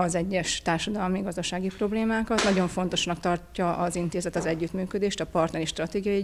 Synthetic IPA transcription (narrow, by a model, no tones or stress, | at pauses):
ɒzɛɟːɛʃt̪aːrʃɒd̪ɒlmiɡɒzd̪ɒʃaːɡipro̞bleːmaːkɒt̪nɒɟo̞ɱfo̞n̪t̪o̞ʃnɒkt̪ɒrcːɒʔɒzint̪eːzɛt̪ɒzɛɟːyt̪myːkød̪eːʃt̪ɒpɒrt̪nɛɾiʃt̪rɒt̪eːɡijɒji